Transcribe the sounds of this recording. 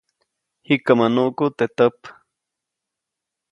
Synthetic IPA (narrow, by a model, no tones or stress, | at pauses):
hikəmanuʔkut̪et̪əp